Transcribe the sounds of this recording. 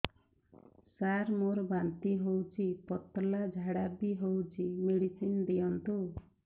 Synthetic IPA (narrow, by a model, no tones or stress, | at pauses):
saɾmoɾbant̪iɦowt͡ʃʰipɔt̪lad͡ʒʱaɽabiɦowt͡ʃʰimeɽisind̪ijɔnt̪u